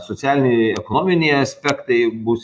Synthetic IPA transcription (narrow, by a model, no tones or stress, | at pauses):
sot̪sʲæːlʲɪnʲeɛkonoːmʲɪnʲɛɪɐsʲpʲækt̪ɐɪbuːs